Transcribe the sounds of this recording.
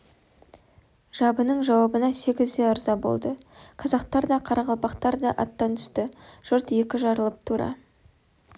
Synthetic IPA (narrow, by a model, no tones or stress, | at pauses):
ʒ̥ɑbənəɴʒɑwɑbənɑse̞ɡʲɪzd̪e̞ʊɾzɑbo̞̰lˠd̪əqʰɑzɑq̚t̪ɑɾd̪ɑqʰɑɾɑʁɑlˠpɑqt̪ɑɾd̪ɑʔɑt̪ːɑnt̪ʰʏ̥st̪ɪʒ̥ʊɾt̪je̞kʲɪʒɑɾəlˠəp̚t̪ʰuɾɑ̰